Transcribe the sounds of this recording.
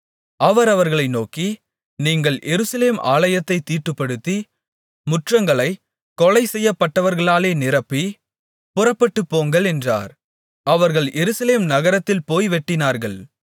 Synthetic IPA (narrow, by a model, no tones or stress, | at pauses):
ɐʋɐɾɐʋɐɾɣɐɭɐɪnoːki | niːŋɡɐɭʔɛɾɯsɐleːmʔa̰ːlɐjɐt̪ːɐɪt̪iːʈːɯpːɐɽɯt̪ːi | mʊʈrɐŋɡɐɭɐɪ | kɔɭɐɪsɛjːɐpːɐʈːɐʋɐɾɣɐɭaːleːnɪɾɐpːi | pʊrɐpːɐʈːɯpːoːŋɡɐɭɛndra̰ːɾ | ɐʋɐɾɣɐɭjʔɛɾɯsɐleːmnɐɣɐɾɐt̪ːɪlpoːjʋɛʈːɪnaːɾɣɐɭ